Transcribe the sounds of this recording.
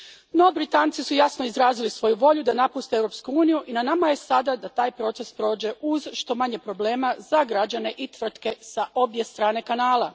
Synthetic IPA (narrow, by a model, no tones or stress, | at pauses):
no̞bɾit̪ant̪isujasno̞izɾaːzilisʋo̞juʋo̞ʎud̪anapust̪eewɾo̞pskuuːnijuʔinanamaje̞sad̪ad̪at̪aːjpɾo̞t̪se̞spɾo̞ːd͡ʑe̞ʔuzʃt̪o̞maɲe̞pɾo̞ble̞ːmazaɡɾad͡ʑane̞ʔit̪ʋr̩t̪kesaʔo̞bje̞st̪ɾaːne̞kanaːlˠa